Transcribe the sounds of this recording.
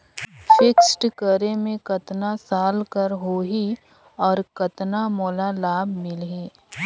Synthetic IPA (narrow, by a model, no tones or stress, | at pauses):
fʰɪksʈkəɾemẽkɐt̪nasaːlkəɾɦoːɦi | ɔːɾkɐt̪namoːlalaːbmɪlɦeː